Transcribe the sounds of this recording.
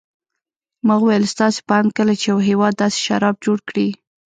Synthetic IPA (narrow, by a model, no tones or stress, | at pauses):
məɣwajəlst̪ɑse̥pəankəlat͡ʃejawɦewɑd̪ːɑse̥ʃa̰ɾɑb̚d͡ʒoɽkɽi